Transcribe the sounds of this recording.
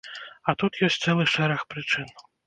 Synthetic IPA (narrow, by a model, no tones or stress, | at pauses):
ɐt̪ut̪jɔsʲtʲt̪sɛlˠɨxʂɛɾaxpɾɨt͡ʂɨn